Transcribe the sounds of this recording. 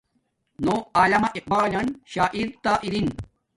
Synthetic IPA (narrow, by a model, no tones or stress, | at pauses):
noaːlɐmɐʔiq̚baːlɐnɕaːʔiɾt̪aːʔiɾin